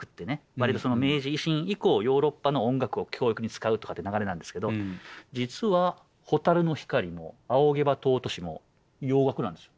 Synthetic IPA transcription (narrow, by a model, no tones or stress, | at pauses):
kɯ̟̥t̪ːe̞neβaɾit̪o̞sono̞me̞ːʑiːɕĩɰ̃iko̞ːjo̞ːɾo̞pːanoõŋɡakɯ̟o̞kʲʰo̞ːikɯ̟ɲ̟it͡sɨ̥kaɯ̟t̪o̞kat̪ːenaɡaɾe̞nãnd̪eske̞d̪od͡ʑit͡sɨβa | ho̞t̪aɾɯ̟no̞çi̥kaɾʲimo̞̰ao̞ɡe̞bat̪o̞ːt̪o̞ɕimo̞̰ | jo̞ːɡakɯnãnd̪e̞sɨ̥i̥jo